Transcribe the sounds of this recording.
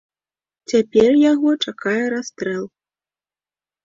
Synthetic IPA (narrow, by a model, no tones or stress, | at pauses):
t͡sʲapʲɛrjaɣɔt͡ʂakajɛɾast̪ɾɛlˠ